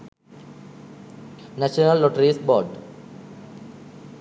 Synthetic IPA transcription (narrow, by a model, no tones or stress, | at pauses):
næʃənəlːɔʈəɾisbɔːɖ